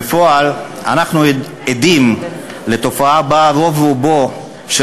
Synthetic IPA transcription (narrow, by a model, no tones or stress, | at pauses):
foal | a̰naχnu | ed̪im | le̞t̪o̞faabaɾo̞vubo | ʃe